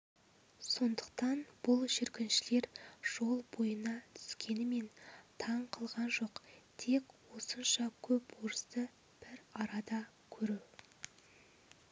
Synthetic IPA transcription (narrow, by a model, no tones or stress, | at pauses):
so̞nd̪əq̚t̪ɑnb̥ʊlˠʒɪɾkʲɪnʃɪle̞ɾʒ̥o̞lˠbo̞jənɑt̪ʰʏ̥skʲe̞nɪme̞nt̪ʰɑɴqʰəlˠʁɑnʒo̞qt̪ʰe̞kwo̞sənʃɑkʲʰɵpwoɾəst̪ə | b̥ɪɾɑɾɑd̪ɑ | kʲʰɵɾuw